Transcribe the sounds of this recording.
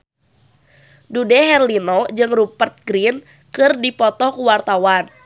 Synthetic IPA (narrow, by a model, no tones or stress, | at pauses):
dudɛɦɛrlinod͡ʒɨŋrupərt̪̚ɡɾin | kɨrdipɔt̪ɔkuwart̪awan